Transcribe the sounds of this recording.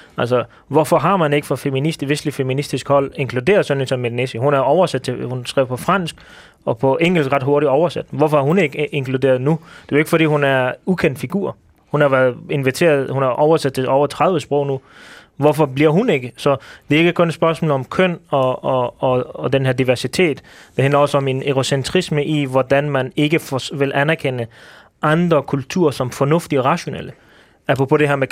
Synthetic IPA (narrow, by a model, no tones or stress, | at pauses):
æl̰sɒ | ʋɒfɒ̽ɦɑ̈mæne̝ɡ̥əfʁɑ̈feminisd̥iʋe̝sd̥lifeminisd̥isɡ̥hɒ̽l̰e̝ŋkʰlud̥e̝̰ːɐð̩ˠsɒ̽nisɒ̽mːeðˠnesihunæɐɒʊɐsæd̥̚t͡sʰe̝hunsɡ̥ʁḭʊ̰pʰɒ̽fʁɑ̈n̰sɡ̥ | ɒ̽pʰɒ̽ʔeŋ̰l̩sɡ̥ʁɑ̈d̥ɦoɐɾiɒʊɐsæd̥ʋɒfɒæɐɦune̝ɡ̥əe̝ŋkʰlud̥e̝̰ːɐðˠnud̥e̝eɡ̥əfɒdɾḭːhunæɐukʰen̰d̥fiɡ̥uːɐ̰ | hunɑ̈ʋæɐð̩ˠe̝nʋit͡sʰe̝̰ːɐð̩ˠhunɑʔɒʊɐsæd̥̚t͡sʰe̝ʔɒʊɐt͡sʰʁað̞ˠʋəsb̥ʁɔʊ̰nuʋɒfɒ̽b̥liɐɦune̝ɡ̥əsɒ̽d̥e̝eɡ̥əkʰɔ̽nsb̥ɶɐsmɔ̰ːlɒ̽mkʰœn̰ɒ̽ɒːd̥enɦæɐd̥iʋæɐsit͡sʰe̝̰ːd̥d̥eɦænlɐɒ̽səɒ̽me̝neɡ̥o̝sent͡sʰʁisməʔiʋɒd̥ænmæne̝ɡ̥əfʋe̝lʔænæɐkʰenə | ʔɑ̈nd̥ʁɐkʰult͡sʰṵːɐsɒ̽mfɒ̽nɔ̽fd̥iɒʁɑ̈ɕo̝nḛl̰ə | æpʰʁɔpʰo̽ɾ̥e̝ɦæɐme